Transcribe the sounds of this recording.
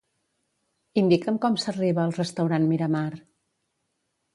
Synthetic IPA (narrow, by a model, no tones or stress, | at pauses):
ind̪ikəmkɔmsəriβəːlˠrəst̪əwɾanmiɾəmar